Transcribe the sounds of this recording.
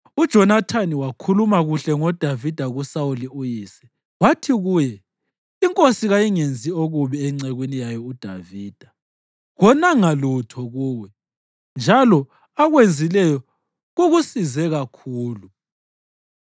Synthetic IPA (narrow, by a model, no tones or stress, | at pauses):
ud̥ʒ̥ʱɔnatʰaniwakʰulumaɣuɬɛŋɔd̥ʱavid̥ʱaɣusauliujiːsɛ̥ | watʰiɣuːjɛ | iŋkʼosiɣajiŋend͡zʱioɣuβiɛŋ͡ǀɛɣwinijajɔud̥ʱaviːd̥ʱa | ɣɔnaŋalutʰɔɣuːwɛ | nd͡ʒʱalɔ | aɣwend͡zʱilɛjɔ | ɣuɣusizɛɣakʰuːlu